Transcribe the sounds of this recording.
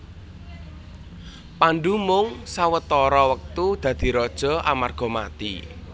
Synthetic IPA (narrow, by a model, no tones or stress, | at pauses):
panɖumʊŋsawət̪ɔɾɔwək̚t̪ud̪̥ä̤d̪̥i̤ɾɔd̥ʒ̥ɔ̤ʔa̰marɡ̥ɔ̤ma̰t̪ḭ